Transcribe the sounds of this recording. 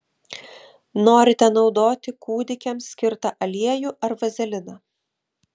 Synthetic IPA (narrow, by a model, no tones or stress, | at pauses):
noːɾʲɪt̪ʲɛnɒʊd̪oːt̪ʲɪkuːd̪ʲɪkʲɛmsʲkʲɪɾt̪ɐʔɐlʲiɛjuʔɐɾʋɐzʲɛlʲɪnɑː